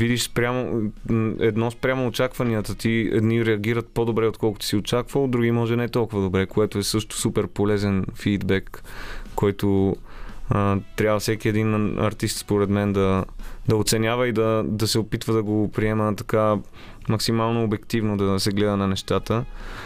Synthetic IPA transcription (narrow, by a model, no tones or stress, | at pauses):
vid̪iʃspɾʲamo | ɛd̪nɔspɾʲamoːt͡ʃakvɐniət̪ət̪iɛ̰d̪niɾɛɐɡ̟iɾət̪̚pod̪obɾɛot̪kɔlˠko̥t̪o̥siot͡ʃakvəlˠd̪ɾuɡʲimɔʒɛnɛt̪ɔlˠkʊvəd̪obɾɛkoɛt̪oɛsɤʃt̪ʊ̥supɛɾpolɛzɛnfid̪bɛkː | ɔjt̪o | ət̪ɾʲjabvɐfsɛkiɛd̪inɐ̰ɾt̪ist̪spoɾɛd̪mɛnd̪ɐd̪ɐot̪sɛnʲjavəid̪ɐd̪ɐsɛopit̪vəd̪ɐɡopɾiɛmət̪ɐ̥ka | mɐksimalˠnoːbɛkt̪ivnod̪ɐsɛɡlɛd̪ənɐnɛʃt̪at̪ə